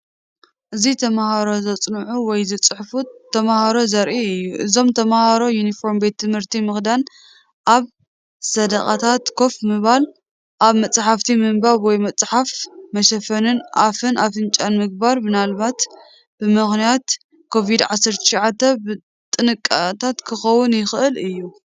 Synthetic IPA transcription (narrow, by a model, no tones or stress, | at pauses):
ʔɨzit̪ʰɐmahaɾo̞zɐt͡sʼnʕuwɔjzɨt͡sʼɨħfut̪ʰːɐmahaɾo̞zɐɾʔiɨjːuʔɨzo̞mt̪ʰɐmahaɾo̞junifo̞ɾmbe̞t̪ʰːɨmhɨɾt̪ʰimɨxd̪an | ʔaβ | sɐd̪ɐkʼa̰t̪ʰat̪kʰo̞fmɨβal | ʔaβmɐt͡sʼħaft̪ʰimɨmbaβwɔjmɐt͡sʼħafmɐʃɐfɐnɨnʔafɨnʔafɨnt͡ʃʼanmɨɡ̚baɾbɨnalbat̪ | b̥ɨmɨxnijat̪ | kʰo̞vid̪ʕasɐɾt̪ʰɨ̥ʃʕat̪ʰːɐbɨ | t̪ʼɨnɨkʼːat̪ʰat̪kʰɨxɐwːʊnjɪxʔɨlɨjːu